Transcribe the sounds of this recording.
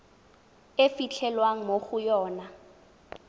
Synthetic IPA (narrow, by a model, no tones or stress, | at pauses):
efit͡ɬʰɛlwaŋ̩moχʊjɔːna